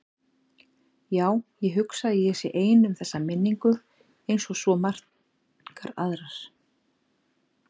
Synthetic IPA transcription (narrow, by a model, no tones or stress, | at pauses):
jaːwjɛɦʏksaðɪjɛsɛʔeːjnʏmθɛsːamɪnːiŋkʏ | ejnsɔsvɔmar̥t̪ | kaɾa̰ðɾas